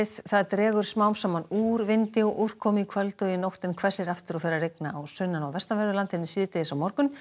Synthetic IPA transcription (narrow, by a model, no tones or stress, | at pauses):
ɪθθaðt̪ɾɛːɣʏɾ̥smawmsamːanuːɾvɪnt̪ɪɔʔur̥kʰɔːmikʰvœlt̪œwjɪnowht̪ɪnkʰvɛsɛɾaft̪ɪɾɔfɛːɾarejknaawsʏnːanawvɛst̪avɛɾðʏlant̪hɪnːɪsɪːt̪ɪðɪsawmɔɾkʏn